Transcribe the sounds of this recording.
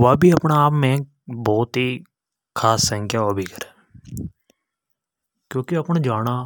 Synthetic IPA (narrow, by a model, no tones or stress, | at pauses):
ʋaːbʱiːəpɳaːpmẽː | bɔːt̪ɦiː | kʰaːsə̃ŋkʰjaːʋaːbʱiːkəɾɛː | kjõːkeəpnãːd͡ʒaːnaː